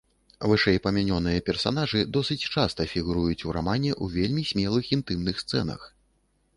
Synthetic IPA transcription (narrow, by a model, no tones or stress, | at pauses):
vɨʂɛjpɐmʲanʲɔnɨjɐpʲɛrsa̰n̪aʐɨd̪ɔsɨt͡sʲt͡ʂast̪ɐfʲiɣuɾujut͡sʲuɾa̰manʲɛʔuvʲelʲmʲisʲmʲɛlˠɨxint̪ɨmnɨxst̪sɛ̰nɐ̰x